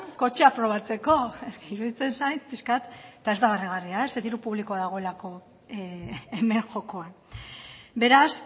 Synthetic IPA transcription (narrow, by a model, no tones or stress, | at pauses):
ko̞t͡ʃeapɾo̞β̞at͡se̞ko̞esiɾuðit͡se̞nsajt̪piskat̪t̪ae̞zd̪aɣariɣ̞ariaeseðiɾupuβ̞liko̞aðaɣ̞oe̞lako̞ | eme̞ŋʝo̞ko̞an | be̞ɾas